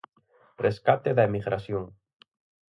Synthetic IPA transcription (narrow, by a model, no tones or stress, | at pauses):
reskat̪eðaemiɣɾasjoŋ